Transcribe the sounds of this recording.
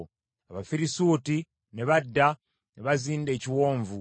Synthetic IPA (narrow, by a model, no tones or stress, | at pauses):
aβafiɾisuːti | neβadːa | neβaziːnde̞ːciwo̞ːɱvu